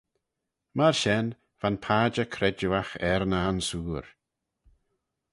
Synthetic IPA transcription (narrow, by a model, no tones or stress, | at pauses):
maɹʃɛn | v̥anpʰaːd͡ʒəkʰɾɛd͡ʒuaxɛɾnansuːɹ